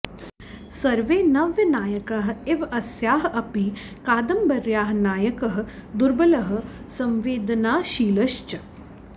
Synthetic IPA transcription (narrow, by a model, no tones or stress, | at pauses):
sɐɾʋeːnɐʋjɐnaːjɐkɐɦɪʋɐsjaːɦɐpi | kaːd̪ɐmbɐɾjaːɦnaːjɐkɐɦd̪ʊɾbɐlɐɦ̆ | sɐ̃mʋeːd̪ɐnaːʃiːlɐʃt͡ʃɐ